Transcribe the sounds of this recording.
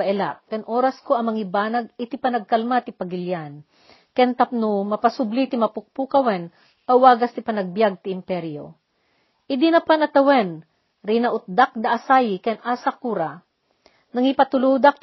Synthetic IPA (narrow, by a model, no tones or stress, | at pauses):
ɐʔɛla̰ʔkɐnʔoːɾɐskoɐmɐŋɪbaːnɐɡ̚ɪt̪ɪpɐnɐɡ̚kɐlmat̪ɪpɐɡɪljan | kɛnt̪ɐp̚nomɐpɐsʊblit̪ɪmɐpʊk̚pukɐwɛn | ʔɐwaːɡɐst̪ɪpɐnɐɡ̚bjaɡ̚t̪ɪʔɪmpɛɾijo̰ | ʔɪd̪inɐpanɐt̪ɐwɛn | ɾinɐʔʊt̪̚d̪ak̚d̪ɐʔɐsajɪkɛnʔaːsakuːɾa | nɐŋipɐt̪ʊlud̪ak̚t̪